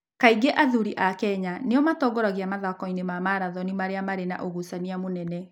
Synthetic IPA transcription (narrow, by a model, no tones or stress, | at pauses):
kaiɡeʔaðuɾiʔakɛɲaneɔmatɔɡɔɾaɣiamaðakɔinemamaɾaðɔnimaɾeamaɾena̰ʔoɣusaniamonɛnɛ